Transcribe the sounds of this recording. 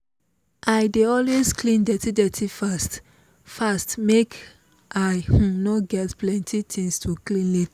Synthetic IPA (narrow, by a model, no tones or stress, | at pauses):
ʔaɪdeɔlwezklĩndɛtidɛtʰifast | fastmek | ʔaɪhũnɔɡɛtplɛ̃ntʰitʰĩŋstʰuklĩnit